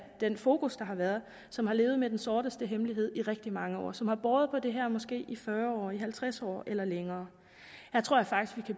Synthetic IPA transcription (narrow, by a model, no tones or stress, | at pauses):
d̥enfo̝ːkʰusd̥ɑ̈ɦɑ̈ʋæɐð̩ˠ | sɒ̽mhɑ̈le̝ːʊð̩ˠmed̥ensɔːɾ̥əsd̥əɦemliɦe̝ð̞̰ˠiʁɛɡ̥̚d̥imɑ̈ŋəɒ̰ːsɒ̽mhɑ̈b̥ɒːð̞̩ˠpʰɒ̽d̥e̝ɦæɐmɒ̽sɡ̥e̝̰ːifɶːɐɒ̰ːiɦælt͡sʰʁasɒ̰ːelɐleŋɐː | hæt͡sʰʁoɐ̰jɑ̈fɑ̈ɡ̥isɡ̥ʋikʰæ